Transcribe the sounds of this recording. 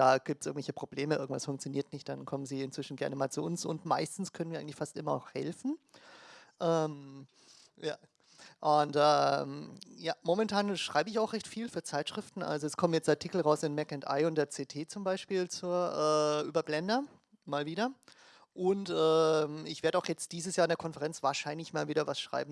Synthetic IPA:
d̥aːɡ̥iːp̚tsɪɐɡŋ̩v̥ɛɪçəpʁ̥obleːməʔɪɐɡŋ̩tv̥asfʊŋk̚t͡sjoniːɐtnɪçt̚d̥ankʰɔmənziːɪntt͡sv̥ɪʃn̩ɡɛɐnəmaːlt͡suʔʊnsʊ̰ntma̰ɪstn̩skʰœnən̩viɐɪŋ̩lɪçfastʔɪmɐnɔxhɛ̰lfn̩ | ʔɛːm | ja̰ː | ʔʊntʔɛːmjaːmomɛntʰaːnʃʁ̥aɪbəɪçaʊxʁɛçtfiːlfyːɐt͡saɪtʃʁ̥ɪftn̩ʔa̰lzoɛskʰɔmənjɛt͡stʔaɐtʰikl̩ʁaʊsɪnmɛkɛntʔa̰ɪʊnt̚d̥eːɐt͡seːtʰeːt͡sʊmbaɪʃpiːlt͡suːɐʔɛːʔyːbɐblɛndɐ | maːlviːdɐ | ʔʊntʔɛːmɪçv̥eːɐdəaʊxjɛt͡st̚d̥iːzəsjaːɪndeːɐkʰɔnfɛʁɛnt͡sv̥aːɐʃaɪnlɪçmaːlviːdɐvasʃʁ̥a̰ɪbm̩

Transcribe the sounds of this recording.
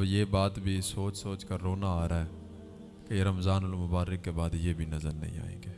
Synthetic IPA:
jebaːt̪bʱisoːt͡ʃsoːt͡ʃkəɾːoːnaaːɾaɦɛ | kejeɾɐmzaːnʊlmʊbaːɾəkːebaːd̪jebʱinɐzəɾnɐ̰ɦḭ̃a̰ːḛ̃ːŋɡeː

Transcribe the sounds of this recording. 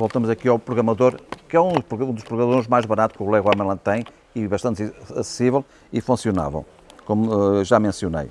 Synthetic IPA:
volˠt̪ɐmuzɐkiawpɾuɣɾɐmɐðoɾkɛũd̪upuɣũd̪uʃpɾuɣɾɐmɐðoɾʒmajʒβɐnat̪u̥kulˠɛɣwɐmɐlˠɐ̃t̪ɐ̃j̃ | iβɐʃt̪ɐ̃nt̪iɐsɨ̥sivɛlˠ | ifũsijuna̰vɐ̰̃w̃ | komuʒamẽsjunḛj

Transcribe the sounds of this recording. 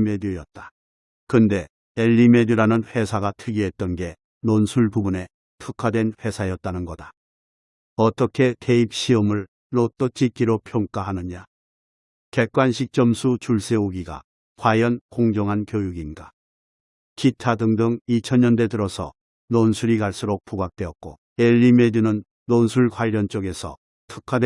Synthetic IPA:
medijʌt̚t͈ḁ | kɯnde̞ | eʎːimediɾanɯnɸe̞sʰaɡatʰɯɡiɦe̞t̚t͈ʌnɡe̞ | nonsʰuɭpubune̞ | tʰɯkʰadwe̞nɸe̞sʰajʌt̚t͈anɯnɡʌda | ʌt͈ʌkʰe̞te̞ip̚ɕ͈iʌmɯɭ | not͈ʌt͡ɕ͈ʰik͈iɾopʰjoŋk͈aɦanɯɲa | ke̞k̚k͈wanɕʰik̚t͡ɕ͈ʌmsʰut͡ɕuɭs͈e̞oɡiɡa̰ | kwajʌnkoŋd͡ʑʌŋɦankjojuɡinɡa | kʰitʰadɯŋdɯŋit͡ɕʰʌnɲʌnde̞dɯɾʌsʰʌ̰ | nonsʰuɾikaɭs͈uɾok̚p͈uɡak̚t͈we̞ʌt̚k͈o̰ | eʎːimed͡ʑunɯnː | onsʰuɭkwaɾʌnt͡ɕ͈oɡe̞sʰʌ̰ | tʰɯkʰade

